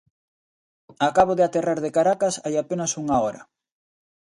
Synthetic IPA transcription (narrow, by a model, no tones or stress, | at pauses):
akaβoðɪat̪eraɾðekaɾakasajapenɐsuŋaɔɾɐ̰